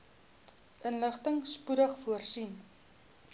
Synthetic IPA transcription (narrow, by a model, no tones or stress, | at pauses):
ʔənləχtəŋspuɾəχfuərsin